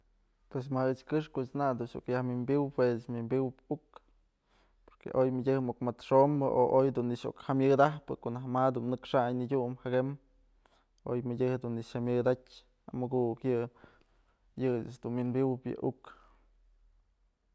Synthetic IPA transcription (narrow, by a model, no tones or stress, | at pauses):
pwes̬maɨt͡ʃkɨʂkoʔt͡ʃnad̪uʃṵkjahmʲɨmbiwpwet͡ʃmʲimbiwpuk | poɾkḛʔojmɨdʲɨhmukmat̪ʂombɨʔo̰ʔojd̪unːiʂo̰khamʲjɨd̪ahpɨkoʔnahmad̪unnɨkʂaɲnidʲumhaɡem | o̰jmɨdʲɨhd̪uniʃamʲɨd̪atʲ | amɨɡukjɨ | jɨɨt͡ʃd̪unminbiwpjɨ̰ʔuk